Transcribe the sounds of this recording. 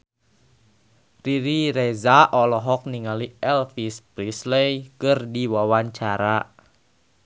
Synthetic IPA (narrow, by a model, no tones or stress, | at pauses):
riɾiɾezaʔɔlɔɦɔk̚niŋaliɛlfispɾislejkɨrdiwawaɲt͡ʃaɾa